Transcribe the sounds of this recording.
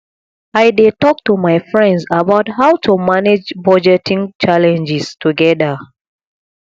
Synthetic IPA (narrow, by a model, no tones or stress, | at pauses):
aɪdetɔk̚tumaɪfɹɛ̃ndsabaʊthaʊtʰumaned͡ʒbɔd͡ʒɛtĩŋt͡ʃalɛ̃nd͡ʒistuɡɛda